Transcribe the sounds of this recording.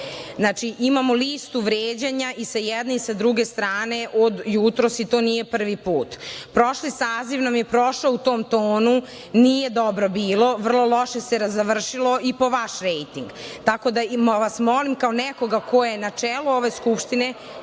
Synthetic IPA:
znat͡ʃiʔimamoliːst̪uʋɾeːd͡ʑeɲaʔisajɛd̪neisad̪ɾuɡe̞st̪ɾaːne̞ʔod̪jut̪ɾo̞sit̪onije̞pr̩ʋipuːt̪pɾo̞ʃlisaːziʋnamje̞pɾoʃout̪oːmt̪oːnu | nije̞d̪obɾo̞biːlˠo̞ʋr̩lˠo̞lˠo̞ʃe̞seɾazaʋr̩ʃilo̞ipo̞ʋaʃɾejt̪iŋɡt̪ako̞d̪amʋasmo̞limkaonɛko̞ɡako̞jenat͡ʂeluo̞ʋe̞skupʃt̪ine

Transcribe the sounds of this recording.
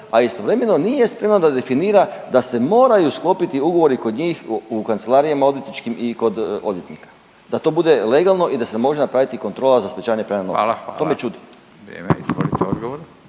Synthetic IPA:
aist̪o̞ʋɾe̞me̞no̞nije̞spɾe̞mnod̪ad̪e̞finiːɾad̪ase̞mo̞ːɾajusklˠo̞ːpit̪iuɡo̞ʋo̞ɾiko̞d̪ɲiːxukant̪selˠaɾijamao̞d̪jet̪nit͡ʃkimiko̞d̪o̞d̪je̞t̪nikḁ | d̪̥at̪o̞ːbud̪e̞le̞ɡalˠno̞ʔid̪asemo̞ʒenapɾaʋit̪iko̞nt̪ɾo̞ːlazaspet͡ʃaːʋaɲepɾenanoomet͡ʃud̪i | ɾḛmeizo̰lit̪ɛod̪ɡoʋoɾ

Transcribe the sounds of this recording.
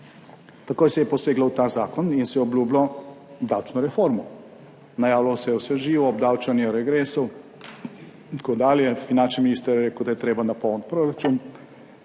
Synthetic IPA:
t̪akoːjsɛjɛposeːɡlawt̪aːzaːkɔninsɛjɔblʲuːblɔd̪awt͡ʃnɔɾɛfoɾmɔ | najaːwlawsɛjɛwsɛʒiːʋɔːb̚d̪aːwt͡ʃanjɔɾɛɡɾeːsow | nt̪kod̪aːljɛfinant͡ʃniminiːst̪əɾjɾeːkwd̪ajɛt̪ɾeːbanapɔwnt̪̚pɾoɾat͡ʃuːn

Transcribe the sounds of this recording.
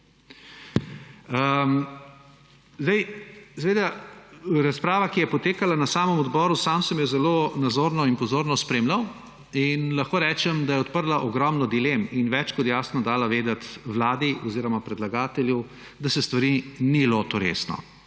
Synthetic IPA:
ə | zd̪ɛjsɛʋeːd̪a | ɾaspɾaːʋakijɛpɔt̪eːkalanasaːməmɔd̪bɔːɾusamsɛmjɛzɛlonad̪zoːɾnɔinpɔzoːɾnɔspɾeːmlaw | inlɐxkoːɾɛːt͡ʃɛmd̪ajɛɔt̪pəɾlaʔɔɡɾɔmnɔd̪ileminʋɛt͡ʃkɔt̪jaːsnɔd̪aːlaʋeːd̪at̪ʋlaːd̪iʔɔziːɾɔmapɾɛd̪laɡaːt̪ɛljɛw | d̪asɛst̪ʋaɾinilot̪ɔɾḛːsnɔ̰

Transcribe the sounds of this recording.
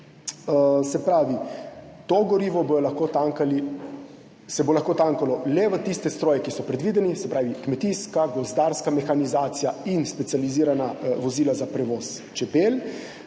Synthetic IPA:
sɛpɾaːʋit̪oɡɔɾiːʋɔbojɔlaxkoːt̪aːŋkali | sɛbolaxkot̪aŋkalɔlɛʋət̪ist̪ɛst̪ɾoːjɛkisɔpɾɛd̪ʋiːd̪ɛnisɛpɾaːʋikmɛt̪iskaɡɔzd̪aːɾskamɛxanizaːt̪sijainspɛt̪sializiːɾanaʋɔziːlazapɾɛʋoːst͡ʃɛpel

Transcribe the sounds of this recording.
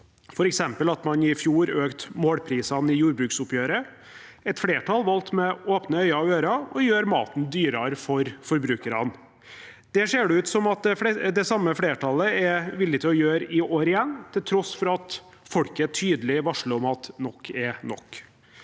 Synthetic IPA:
fɔɾɛksɛmpəlɑt̪mɑnɪfjuːɾøːkt̪moːɽpʰɾiːsɑnɪjuːɾbɾʉːksʊpjøːɾə | ɛt̪fɽeːʈʰɑlʋɑlt̪mɛoːpnəœʏɑɑʋøːɾɑɔjøːɾmɑ̰ːt̪n̩d̪yːɾɑɾfɔɾfɔɾbɾʉːkəɾɑn | d̪̥ɛseːɖɛʉːt̪sɔmɑt̪̚d̪ɛd̪ɛsɑmːəfɽeːʈʰɑləɛʋɪlːɪt̪ʰɪlɔjøːɾɪoːɾɪjɛnːt̪ʰɪlt̪ʰɾɔsːfɔɾɑt̪ | fɔɽkəɛʈʰyːd̪əlɪʋɑʂləɔmɑt̪nɔkʰːɛnɔ̰kː

